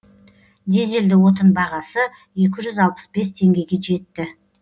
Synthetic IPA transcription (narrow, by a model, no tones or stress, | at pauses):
d̪e̞ze̞ld̪ɪwo̞t̪̬ənbɑʁɑsə | je̞kʲɪʒʏzɑlˠpə̥sbe̞st̪ʰe̞ŋɡʲe̞jɡʲe̞ʒe̞t̪ːɪ